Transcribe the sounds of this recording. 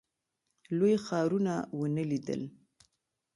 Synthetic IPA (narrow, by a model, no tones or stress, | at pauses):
lojxɑɾunawənəlid̪ə̰l